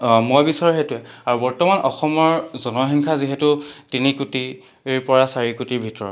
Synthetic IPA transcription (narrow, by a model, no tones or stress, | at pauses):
mojbisɔɹɔɦetʊɛaɹubɔɹtɔmanɔxɔmɔɹzɔnɔɦiŋkʰaziɦɛtʊtinikuti | pɔɹasaɹikutiɹbʱitɔɹɔt